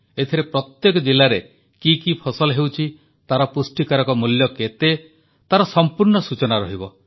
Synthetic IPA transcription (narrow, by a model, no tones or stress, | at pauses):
et̪ʰiɾepɾɔt̪jekɔd͡ʒilaɾe | kikipʰɔsɔlɔɦewt͡ʃʰi | t̪aɾɔpusʈikaɾɔkɔmuljɔket̪e | t̪aɾɔsɔmpuɾnɔsut͡ʃɔnaɾɔɦibɔ